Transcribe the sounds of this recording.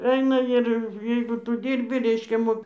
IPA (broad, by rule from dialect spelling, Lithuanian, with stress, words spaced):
ˈɛɪnɐ ɪr ˈjɛɪɡʊ ˈtʊ ˈdʲiːrʲbʲɪ ˈrʲɛɪʃʲkʲɛ ˈmoːk